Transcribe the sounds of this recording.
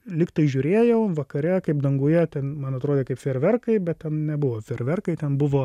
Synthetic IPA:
lʲɪkt̪ɐɪʒʲʊːɾʲeːjɛʊʋɐkɐɾʲɛkɐɪpd̪ɐŋɡʊjɛt̪ʲɛnmɐnɐt̪ɾoːdʲeːkɐɪpfʲeɾʲʋʲɛrkɐɪbʲɛt̪̚t̪ʲɛnnʲɛbʊʋoːfʲɛɾʲʋʲɛrkɐɪt̪ʲɛnbʊʋoː

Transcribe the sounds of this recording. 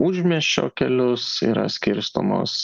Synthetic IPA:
ʊʒʲmʲɛʃʲo̰ːkʲɛlʲʊsiːɾɐ̰sʲkʲɪɾst̪o̰ːmo̰ːs

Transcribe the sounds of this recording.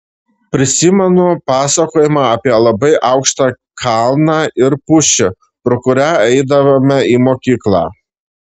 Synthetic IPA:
pʲɾʲɪsʲɪmʲɛnʊpɑːsɐkoːjɪmɑːɐpʲiɛlˠɐbɐɪʔɑʊkʃt̪ɑ | kʰɑˑlˠnɑːʔɪɾpʊʃʲɪ | pɾɔkʊɾʲæɛɪd̪ɐʋomʲɛiːmoːkʲiːklˠɑ̰ː

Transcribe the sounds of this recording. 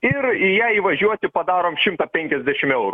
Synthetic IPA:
ɪrɪjæːiʋɐʒʲuɔt̪ʲɪpɐd̪ɑːɾoːmʃʲɪmt̪ɐːpʲɛŋʲkʲɛzʲd̪ʲæʃʲɪmɛʊɾʊ

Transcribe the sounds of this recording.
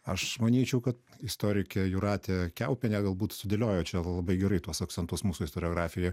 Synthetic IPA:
ɐʃmɐnʲiːt͡ʃʲɛʊkɐt̪ | ɪst̪oːɾʲɪkʲejʊɾɑːt̪ʲekʲɛʊpʲɛnʲɛːɡɐlˠbuːt̪sʊd̪ʲelʲoːjoːt͡ʃʲɛllˠɐbɐɪɡʲɛɾɐɪt̪uɔsɐk̪̚sʲɛnt̪ʊsmuːsʊɪst̪oːɾʲoːɡɾɑːfʲɪjɛ

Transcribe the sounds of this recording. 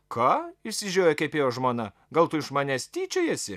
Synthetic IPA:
kʰɑːɪʃʲsʲɪʒʲoːjokʲɛɪpʲeːjoʒmoːnɐ | ɡɐlˠt̪ʊɪʃmɐnʲɛsʲt̪ʲiːt͡ʃʲojɛsʲɪ

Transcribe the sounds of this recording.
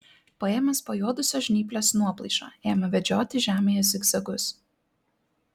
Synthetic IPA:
pɐeːmʲɛspɐjoːd̪ʊsʲoːʒʲnʲiːpʲlʲɛːsnuɔplˠɐɪʃɑ̰ːeːmʲɐʋʲɛd͡ʒʲoːt̪ʲɪʒʲæːmʲejɛsɪɡzɐɡʊs

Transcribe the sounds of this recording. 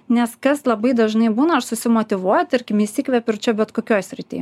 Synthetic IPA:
nʲɛskɐslˠɐbɐɪd̪ɐʒnɐɪbuːnɐɐʃsʊsʲɪmoːt̪ʲɪʋuɔjɛt̪ɪɾʲkʲɪmʲɪsʲɪkʋʲɛpʲɪrt͡ʃʲɛbʲɛt̪koːkʲoːjsʲɾʲɪt̪ʲɪ̰j

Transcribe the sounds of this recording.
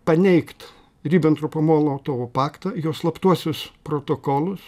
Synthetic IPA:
pɐnʲɛɪkt̪ | rʲiːbʲɛnt̪ɾʊpomoːlˠoɐʊt̪oːʋʊpɑːkt̪ɐjoːslˠɐpt̪uɔsʲʊspɾoːt̪oːkoːlˠʊs

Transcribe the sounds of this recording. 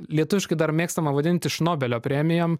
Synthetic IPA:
lʲiɛt̪ʊʋʲɪʃkɐɪd̪ɐɾmʲeːkst̪ɐmɐʋɐd̪ʲɪnʲt̪ʲɪʃnoːbʲɛlʲoːpʲɾʲɛːmʲɪjɛm

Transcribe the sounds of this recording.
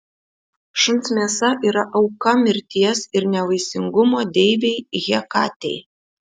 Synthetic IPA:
ʃʊnsmʲiɛsɐʔiːɾɐʔɐʊkɐmʲɪɾʲt̪ʲiɛsɪɾnʲɛʋɐɪsʲɪŋɡʊmoːd̪ʲɛɪʋʲɛɪɣʲɛkɑ̰ːt̪ʲɛ̰ɪ

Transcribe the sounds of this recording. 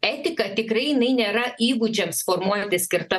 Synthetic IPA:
ɛt̪ʲɪkɐt̪ʲɪkɾɐɪjɪnɐɪnʲeːɾɐʔiːɡʊd͡ʒʲɛmsfoɾmuɔt̪ʲɪsʲkʲɪɾt̪ɐ

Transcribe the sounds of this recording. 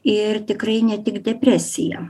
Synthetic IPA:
ɪrt̪ʲɪkɾɐɪnʲɛt̪ʲɪkd̪ʲɛpʲɾʲæsʲɪjɛ̰

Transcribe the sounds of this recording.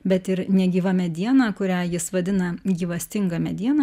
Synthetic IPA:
bʲɛt̪ɪɾnʲɛɡʲiːʋɐmʲɛd̪ʲiɛnɐːkʊɾʲæːjɪsʋɐd̪ʲɪnɐɡʲiːʋɐsʲt̪ʲɪŋɡɐmʲɛd̪ʲiɛnɐ

